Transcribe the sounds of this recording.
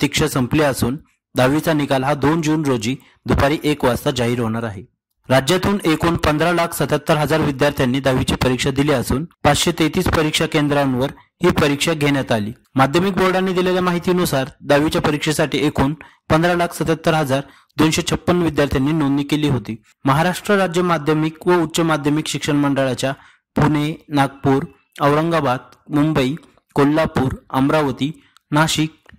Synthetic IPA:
t̪ikʂasəmpliəsuːn | d̪aʋit͡sanikalɦad̪ond͡ʑuːnɾod͡ʑiː | d̪upaɾiːʔekʋast̪ad͡zaɦiːɾɦoɽ̃aɾaɦe | ɾad͡ʑjat̪uːnekoːnpənd̪ɾalakʰsət̪at̪ːəɾɦəd͡zaɾʋid̪jaɾt̪ʰjanːiːd̪aʋit͡ɕiːpəɾikʂad̪iliːəsuːnpat͡sɕet̪et̪iːspəɾikʂakend̪ɾanʋəɾ | hiːpəɾikʂaɡʱeɽjat̪aliː | mad̪ʱjəmik̚boɾɖanːiːd̪ileljamaɦit̪iːnusaɾd̪aʋit͡ɕjapəɾikʂesaʈiːekʰuːnpənd̪ɾalakʰsət̪at̪ːəɾɦəd͡zaɾ | d̪onɕet͡ɕʰəpːənːʋid̪jaɾt̪ʰjanːiːnonniːkeliːɦot̪iː | məɦaɾaʂʈɾəɾad͡ʑjəmad̪ʱjəmikʋəut͡ɕəmad̪ʱjəmikɕikʂəɳməɳɖəɭat͡ɕja | puɳenaɡ̚puɾ | əʋɾəŋɡabad̪̚ | mumbəi | kolːapuːɾəmɾaʋət̪iː | naɕik̚

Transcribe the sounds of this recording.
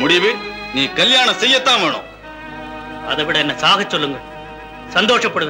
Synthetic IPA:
mʊɽɪʋɯniːkɐljaːɳɐsɛjːɐt̪ːãːʋeːɳʊ̰̃ː | ɐðɐʋɪɽɐɛnːɐsaːɣɐt͡ʃːɔlːɯŋɡɐ | sɐnd̪oːʂɐpːɐɽɯʋ

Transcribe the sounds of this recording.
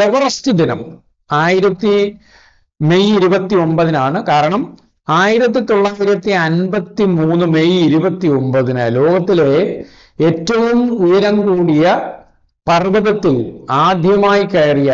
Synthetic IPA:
eʋɐrɐstid̪inɐm | aːjiɾɐt̪ːi | me̞jiɾubɐt̪ːio̞mbɐðinaːɳɨkaːɾɐɳɐm | aːjiɾɐt̪̬ːit̪o̞ɭːaːjiɾɐt̪ːiɐnbɐt̪ːimuːnːɨmejiɾubɐt̪ːio̞mbɐðinɨ̰lo̞ːɡɐt̪ːile̞ | etːɐʋumujɐɾɐŋkuːɽijɐ | pɐrdɐðɐt̪ːilaːd̪ʱjɐmaːjikeːrijaː

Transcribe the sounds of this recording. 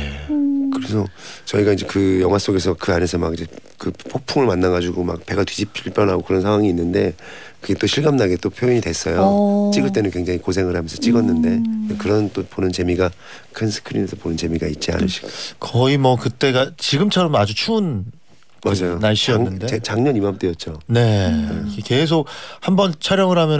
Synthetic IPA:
ne̞kɯɾe̞sʰʌt͡ɕʌiɡaid͡ʑe̞kɯjʌŋɦwas͈oɡe̞s̬ʰʌkɯane̞sʰʌmaɡid͡ʑekɯpʰopʰuŋɯɭmanːaɡad͡ʑuɡoma̰k̚peɡatwid͡ʑipʰiɭp͈jʌnɦaɡokɯɾʌnsʰaŋwaŋiːnːɯnde̞kɯɡe̞t͈oɕʰiɭɡamnaɡet͈opʰjoiɲidwe̞s͈ʌjot͡ɕ͈iɡɯɭt͈e̞nɯnkwe̞ŋd͡ʑaŋikosʰe̞ŋɯɭɦamjʌnsʰʌt͡ɕ͈iɡʌnːɯnde̞nekɯɾʌnt͈oponɯnt͡ɕe̞miɡa | kʰɯnsʰɯ̥kʰɯɾimjʌnsʰʌponɯnt͡ɕe̞miɡait̚t͡ɕ͈ia̰nɯ̰ɕʰi̥ɡokʌimʌkɯt͈e̞ɡat͡ɕiɡɯmt͡ɕʰʌɾʌmad͡ʑut͡ɕʰuːn | mad͡ʑajonaɭɕ͈iŋːɯndet͡ɕaŋɲʌnimap̚t͈ojʌt̚t͡ɕ͈one̞eke̞s̬ʰok̚hambʌnt͡ɕʰaɾjʌŋɯɾɦamjʌ

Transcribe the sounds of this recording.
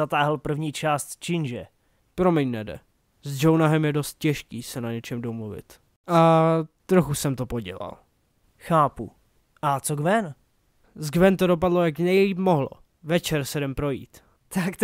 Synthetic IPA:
at̪aːɦl̩pr̩vɲiːt͡ʃaːst̪t͡ʃɪnʒɛ | pɾo̞mɛɲnɛdɛ̰ | zd͡ʒownaɦɛmjɛdo̞st̪̚cɛʃkiːsɛnaɲɛt͡ʃɛmdomluvɪ̰t̪ | ʔat̪ɾoxusɛmt̪o̞po̞ɟɛ̰la̰l | xaːpṵ | ʔat͡soɡvɛn | zɡvɛnt̪odo̞p̬adlo̞jaknɛjliːp̚moɦlo̰ | vɛt͡ʃɛɾsɛdɛmpɾo̞jḭːt̪ | t̪ak

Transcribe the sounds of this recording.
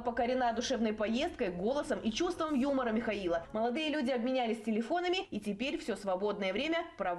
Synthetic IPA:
pəkəɾʲɪnad̪ʊʂɛvnəjpɐjest̪̚kəjɡo̞lˠəsəmʔit͡ɕust̪vəmjuməɾəmʲɪxɐilˠəməlˠɐd̪ɨjəlʲudʲɪɐbmʲɪnʲælʲɪsʲtʲɪlʲɪfo̞nəmʲɪitʲɪpʲeɾʲfsʲosvɐbo̞d̪nəjəvɾʲemʲəpɾɐ

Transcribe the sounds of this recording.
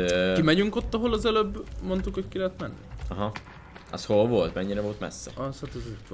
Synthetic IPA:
økimɛɟyŋko̞t̪ːɒɦolɒzɛløbːmo̞nt̪ukhockilɛɦɛt̪mɛnːḭɒɦɑ | ɒ̰sholvolt̪mɛɲːiɾɛvolt̪mɛ̰sːɛ̰ɒshat̪ɛzut̪

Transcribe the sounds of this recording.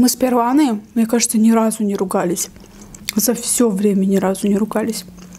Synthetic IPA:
mɨspʲɪrvanɨjəmnʲekaʐɨt̪sənʲɪɾazʊnʲɪɾʊɡalʲɪsʲ | zɐfsʲɵvɾʲemʲənʲɪɾazʊnʲɪɾʊɡalʲɪsʲ

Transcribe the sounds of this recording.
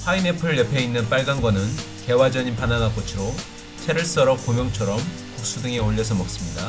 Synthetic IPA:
ɸwaine̞pʰɯɾɯɭjʌpʰe̞inːɯnp͈aɭɡanɡwʌnɯn | ke̞wad͡ʑʌɲinpananak͈ot͡ɕʰiɾo | t͡ɕʰe̞ɾɯɭs͈ʌɾʌk̚k͈omjʌŋt͡ɕʰʌɾʌm | kuk̚s͈udɯŋe̞oʎːʌsʰʌmʌk̚s͈ɯmɲida

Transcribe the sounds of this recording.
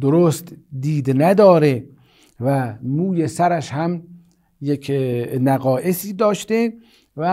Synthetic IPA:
d̪oɾost̪d̪iːd̪næd̪ɒːɾe | væmuːjesæɾæʃhæm | jekʰnæɣɒːʔesiːd̪ɒːʃt̪e | væ

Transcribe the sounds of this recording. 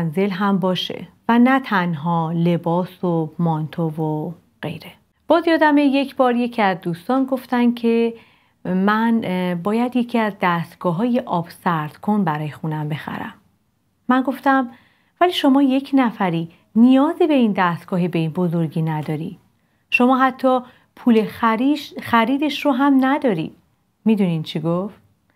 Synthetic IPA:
nze̞lɦæmbɒːʃe̞̰vænæt̪ʰænɦɒːle̞bɒːsomɒnt̪ʰovo | ɢ̥e̞̰jɾe̞ | b̥ɒːzijɒːd̪æmeje̞cʰbɒːɾje̞cʰiæzd̪uːst̪ɒːnɡo̞ft̪æncʰe̞ | mænbɒːjæd̪je̞cʰiæzd̪æst̪ɡ̥ɒːɦɒːjeʔɒːb̥sæɾd̪̥kʰo̞nbæɾɒːjexunæmbe̞xæ̰ɾæ̰mː | ænɡo̞ft̪æm | væliːʃo̞mɒːje̞cʰnæfæɾiː | nijɒːzibe̞ind̪æst̪ɡ̥ɒːɦebeinbo̞zo̞ɾɟiːnæd̪ɒːɾiːd̪̥ | ʃo̞mɒːɦæt̪ʰːɒː | pʰuːle̞xixæɾiːd̪e̞ʃroɦæmnæd̪ɒːɾḭːd̪̥̚ | miːd̪unint͡ʃʰiɡoft̪̚

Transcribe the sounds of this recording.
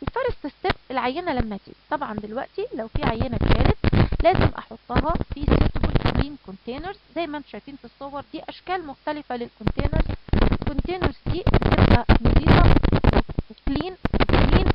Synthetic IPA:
ʔelfɑɾˤɑsˤt̪est̪ebʔelʕajːenælæmːæt̪ḭt̪ˤɑbʕɑnd̪elwæʔt̪ilæwfiːʕajːenæʃæːlet̪læːzemʔɑ̰ħot̪ˤːɑɦɑfiset̪bolkliːnkont̪eːneɾzzæjːmæʔnt̪ʃæjfiːnfisˤːowɑɾˤd̪iːʔæʃkæːlmʊxt̪ælɪfælelkont̪eːnæɾzwelkont̪eːneɾzd̪iːbet̪ebʔæmod̪ˤiːbɑweekliːnekliːn

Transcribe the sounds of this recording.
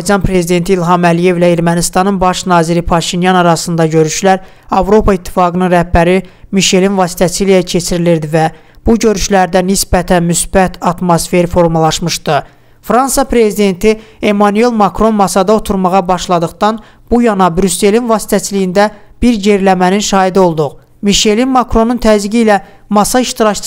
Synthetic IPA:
d͡ʒɑnpʰɾe̞zid̪e̞nt̪ʰilɦɑmælije̞vlæe̞ɾmænist̪ɑnɯnbɑʃnɑːziɾipʰɑʃinjɑnɑɾɑsɯnd̪ɑɟø̞ɾyʃlæɾ | ɑvɾo̞pʰɑit̪ʰːi̥fɑːɡɯnɯnɾæhbæɾimiʃe̞linvɑːsi̥t̪ʰæt͡ʃʰilijæcʰe̞t͡ʃʰiɾiliɾd̪ivæ | b̥uɟø̞ɾyʃlæɾd̪ænisbæt̪ʰænmysb̥æt̪ʰɑt̪mosfe̞ɾfo̞ɾmɑlˠɑʃmɯʃd̪ɯ | fɾɑnsɑpʰɾe̞zid̪e̞nt̪ʰie̞mɑnye̞lmɑkɾo̞nmɑsɑd̪ɑo̞t̪ʰuɾmɑʁɑbɑʃlˠɑd̪ɯχd̪ɑn | b̥ujɑnɑbɾysːe̞linvɑsi̥t̪ʰæt͡ʃʰilijind̪æb̥iɾje̞ɾlæmæninʃɑːid̪o̞lˠd̪uʁ | miʃe̞linmɑkɾo̞nunt̪ʰæziɟilæ | mɑsɑiʃt̪iɾɑct͡ʃ

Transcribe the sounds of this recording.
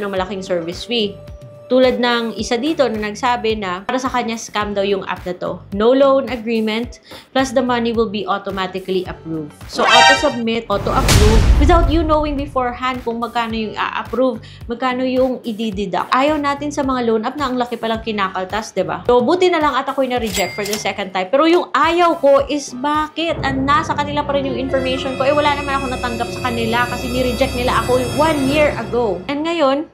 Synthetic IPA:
nɐŋmɐlɐkɪŋsɛɹvɪsfi | t̪uːlɐd̪̚nɐŋʔɪsad̪iːt̪o̞nɐnɐɡsaːbɛnɐaɾɐsɐkɐɲaskamd̪ɐwjʊŋʔa̰p̚nɐt̪o̞̰nowlownɐɡɹimɛnt̪̚ | plɐsd̪ɐmɐniwɪlˠbiʔot̪omat̪ɪkɐliʔɐpɹuvd̪soʔot̪osɐb̚mɪt̪̚ʔot̪ʊʔɐpɹuvwɪðawt̪junowɪŋbɪfoɹhɐnd̪̚kʊŋmɐɡ̚kaːno̞jʊŋa̰ʔɐ̰pɾuv | mɐɡ̚kaːno̞jʊŋʔɪd̪id̪ɪd̪a̰kʔaːjɐwnaːt̪ɪnsɐmɐŋaloːnʔɐp̚nɐʔɐŋlɐkɪpɐlaŋkɪnaːkɐlt̪ɐsd̪ɪba̰sobuːt̪ɪnɐlaŋɐt̪ɐkoɐjnɐɾɪd͡ʒɛk̚t̪fɔɹd̪ɐsɛkɐ̃najmpɛːɾojʊŋʔaːjɐwko̞ʔɪsbaːkɪt̪ʔɐnasɐkɐnɪlapɐɾɛnjʊŋɪnfɔɹmejʃonko̞ʔɛjwɐlaːnɐmanɐko̞nɐt̪ɐŋɡap̚sɐ̥kɐnɪlakɐsɛnɪɾɪd͡ʒɛk̚t̪̚nɪlaʔɐkowãnjiɹʔɐɡowʔɛnŋɐjo̞n

